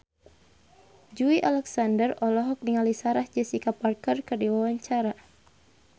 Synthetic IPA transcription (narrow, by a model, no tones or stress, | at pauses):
d͡ʒuiʔalɛksandərɔlɔɦɔk̚niŋalisaɾahd͡ʒɛsikaparkərkərdiwawaɲt͡ʃaɾa